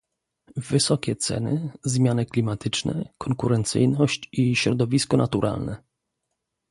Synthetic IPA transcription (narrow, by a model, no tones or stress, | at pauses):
vɘsɔkʲɛt̪sɛ̰nɘzmʲjanɘklʲimat̪ɘt͡ʂnɛ̰kʰɔŋkuɾɛnt̪sɘ̰jnɔɕt͡ɕiɕɾɔd̪ɔvʲiskɔnʔat̪uɾʔa̰lnɛ